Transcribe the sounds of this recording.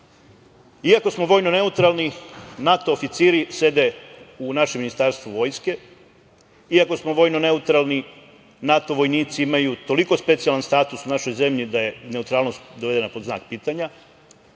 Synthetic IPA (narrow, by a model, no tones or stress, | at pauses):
iako̞smo̞ʋo̞jno̞ne̞ut̪ɾalˠninat̪o̞ːfit̪siːɾise̞d̪e̞unaʃeminist̪aɾst̪ʋoʋo̞ːjske̞ | iako̞smo̞ʋo̞jnone̞ut̪ɾalˠni | nat̪o̞ʋo̞jniːt̪siimajut̪o̞liko̞spe̞t̪sijalanst̪aːt̪usunaʃo̞jze̞mʎid̪aje̞ne̞ut̪ɾaːlˠno̞st̪d̪oʋe̞d̪enapozna̰ːk̚piːt̪aɲa